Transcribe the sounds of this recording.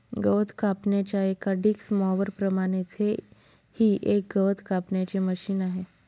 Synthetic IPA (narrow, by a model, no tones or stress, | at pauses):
ɡəʋət̪ʰkapɳjat͡ɕjaekaɖiksmɔʋəɾpɾəmaɽ̃et͡se | hiːʔek̚ɡəʋət̪kapɳjat͡ɕeməɕiːnaɦe